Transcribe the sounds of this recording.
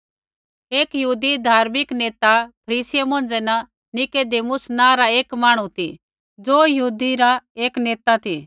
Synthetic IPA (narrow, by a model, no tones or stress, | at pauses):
eːkjəɦuːd̪id̪ʱaːɾmɪkneːt̪apʰɐɾiːsɪjemõːn̆d͡zɛna | nɪked̪eːmʊsnãːɾaeːkmaːɽ̃ũt̪ʰḭ | d͡zoːjɐɦuːd̪iɾaeːkneːt̪at̪ʰi